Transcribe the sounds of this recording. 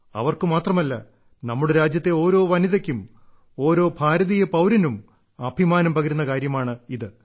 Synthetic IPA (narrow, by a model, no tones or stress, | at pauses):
ɐ̰ʋɐrkɨmaːt̪rɐmɐlːɐ | nɐmːuɽeɾaːd͡ʑjɐt̪ːe̞o̞ːɾo̞ːʋɐniðɐkʲːum | o̞ːɾo̞ːbʱaːɾɐðijepɐwɾɐnum | ɐbʱimaːnɐmpɐɡɐɾunːɐkaːɾjɐmaːɳɨiðɨ